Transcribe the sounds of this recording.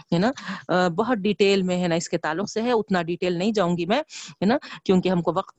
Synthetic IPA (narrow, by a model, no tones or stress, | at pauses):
ɦɛːnabɐɦʊt̪̚ɖiːʈeːlmẽɦɛːnaɪsket̪aːlːʊqseɦɛʊt̪naɖiʈeːlnɐɦĩd͡ʒaːũːŋɡimɛ̃ːɦɛnakjõːkeɦɐmkoʋɐqt̪̚